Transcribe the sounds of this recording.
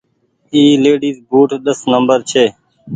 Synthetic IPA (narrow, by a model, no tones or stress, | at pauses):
iːleːɖiːzbuːʈʰɗ̪əsnəmbəɾt͡ʃʰeː